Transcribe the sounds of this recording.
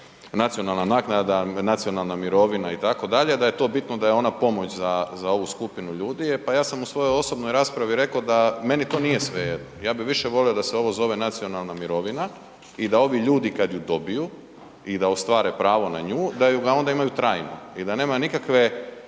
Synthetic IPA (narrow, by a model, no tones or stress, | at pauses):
nat̪sio̞nalˠnanaknad̪anat̪sijo̞nalˠnamiɾo̞ʋinait̪ako̞d̪aʎed̪aje̞t̪o̞ːbit̪nod̪ajeo̞napo̞mo̞t͡ʃzazao̞ʋuskupinuʎuːd̪iepajaːsamusʋo̞jo̞jo̞so̞bnojɾaːspɾaʋiɾe̞kaod̪ame̞nit̪o̞ːnije̞sʋejed̪nojaːbiʋiʃeʋo̞lio̞d̪aseo̞ʋo̞zo̞ʋe̞nat̪sio̞nalˠnamiɾo̞ʋina | id̪ao̞ʋiʎuːd̪ikad̪jud̪o̞biju | id̪aost̪ʋaːɾe̞pɾaːʋo̞na̰ɲuːd̪ajuɡao̞nd̪aimajut̪ɾajno̰id̪ane̞ːmanikakʋe̞